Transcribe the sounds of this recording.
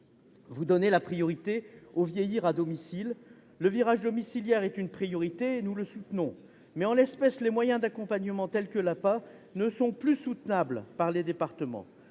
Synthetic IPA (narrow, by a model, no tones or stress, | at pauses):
vud̪ɔnelapχijɔʁit̪eovjejiʁad̪ɔmisilː | əviʁaʒd̪ɔmisiljɛʁɛt̪ynpχijɔʁit̪eːnuləsut̪nɔ̃ | mɛɑ̃lɛspɛslemwajɛ̃d̪akɔ̃paɲəmɑ̃t̪ɛlkəlapa | nəsɔ̃plysut̪nablpaʁled̪epaʁt̪əmɑ̰̃